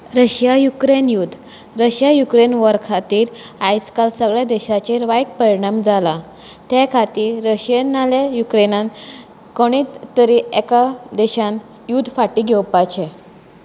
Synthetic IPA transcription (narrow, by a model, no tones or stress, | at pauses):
ɾəɕjajukɾenjud̪ʱ | ɾəɕjajukɾenʋəɾkʰat̪iːɾ | ajskalsəɡɭjad̪ɛɕat͡ɕeɾʋaiʈ̚pəɾiɳamd͡zala | t̪ekʰat̪iːɾːəɕenalejukɾenãn | koɽ̃it̪t̪ːəɾiʔɛkad̪eɕãn | jud̪ʱfaʈiɡʱewpajt͡ɕʰe